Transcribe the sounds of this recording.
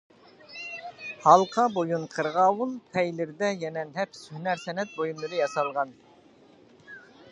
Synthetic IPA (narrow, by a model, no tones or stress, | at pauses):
hɑlˠqʰɑbojunqʰəɾʁɑːwulˠpʰɛjlɪɾd̪ɛjɛnɛnɦɛpʰɪ̥shynæɾsɛnɛt̪̚bojumlˠɨɾɨjɑsɑlˠʁɑn